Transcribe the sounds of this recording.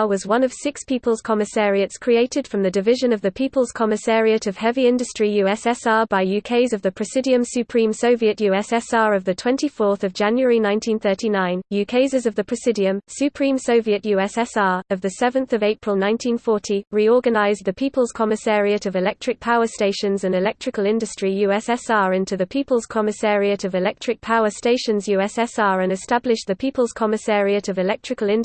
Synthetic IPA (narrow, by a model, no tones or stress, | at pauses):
wɒzwʌ̃nəv̥sɪkspʰiˑpəlˠz̥kʰɒmɪsɛːɹiətskʰɹ̥ieɪtɪd̥fɹə̃mðədɪvɪʒə̃nəvðəpʰiˑpəlˠz̥kʰɒmɪsɛːɹiətəv̥hɛviɪ̃ndəstɹ̥ijʉːɛsɛsɑːbaɪjʉkʰeɪzəvðəpʰɹ̥ɨsɪdiə̃msʉpʰɹ̥ĩmsəʊviəʔjʉɛsɛsɑːɹəvðətʰw̥ɛ̃ntifɔˑθəvd͡ʒæ̃njwəɹinãɪ̃ntʰĩnθɜˑtʰinãɪ̃njʉkʰeɪzɪzəvðəpʰɹ̥ɪsɪdiə̃msjʉpʰɹ̥ĩmsəʊviəʔjʉːɛsɛsɑːɹəvðəsɛvə̃nθəveɪpʰɹ̥əlˠnãɪ̃ntʰĩnfɔˑtʰiɹiɔːɡənaɪzðəpʰiˑpəlˠz̥kʰɒmɪsɛɹiətəvɪlɛk̚tʰɹ̥ɪk̚pʰaʊəsteɪʃə̃nzə̃nɪlɛk̚tɹ̥ɪkəlˠɪ̃ndəstɹ̥ijʉːɛsɛsɑːɹɪ̃ntʰuðəpʰiˑpəlˠz̥kʰɒmɪsɛːɹiətəvɪlɛk̚tʰɹ̥ɪk̚pʰaʊəsteɪʃə̃nzjʉːɛsɛsɑːɹə̃nɪstablɪʃðəpʰiˑpəlˠz̥kʰɒmɪsɛːɹiətəvɪlɛk̚tɹ̥ɪkəlɪ̃n